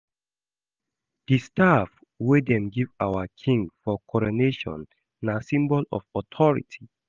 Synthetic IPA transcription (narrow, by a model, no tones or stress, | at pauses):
d̥istaf | wedɛ̃mɡivawakʰĩŋɡfɔkʰɔɹoneʃɔ̰̃nː | asĩmbɔlɔ̰fɔtʰɔɹḭtʰi